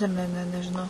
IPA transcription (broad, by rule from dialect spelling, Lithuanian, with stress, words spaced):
ˈnʲɛ ˈnʲɛ ˈnʲɛ nʲɛʒʲɪˈnɐʊ